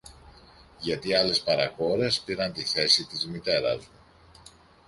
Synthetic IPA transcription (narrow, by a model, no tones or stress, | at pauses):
ʝɐt̪iɐle̞spɐɾɐko̞ɾe̞spiɾɐnt̪iθe̞sit̪izmit̪e̞ɾɐ̰zmu